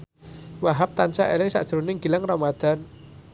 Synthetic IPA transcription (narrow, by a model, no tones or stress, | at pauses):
waɦap̚t̪ansaʔelɪŋsa̰ʔd̥ʒ̥əɾunɪŋɡilaŋramad̪̥an